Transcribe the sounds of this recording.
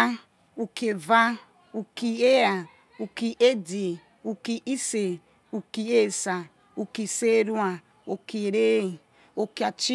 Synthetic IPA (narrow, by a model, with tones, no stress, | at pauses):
a˦ | u˨ke˨va˦ | u˨ki˨e˦a˨ | u˨ki˨ʔe˦di˨ | u˨ki˨ʔi˦se˨ | u˨ki˨e˦˨sa˨ | u˨ki˨se˦ɾu˦a˨ | o˨ki˨ɾe˦i˨ | o˨ki˨a˨t͡ʃi˦